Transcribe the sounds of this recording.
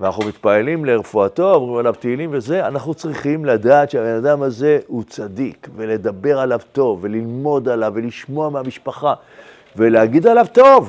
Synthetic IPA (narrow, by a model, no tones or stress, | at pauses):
veanaχumit̪paelimle̞ʁefuat̪o̞omʁimalavt̪eilimve̞ze̞anaχnut͡sʁiχimlad̪aːt̪ʃeabenad̪amaze̞ut͡sad̪ikve̞le̞d̪abe̞ʁalavt̪o̞vːe̞lilmo̞d̪alavːe̞liʃmo̞amehamiʃpaχa | ve̞leaɡid̪alavt̪o̞v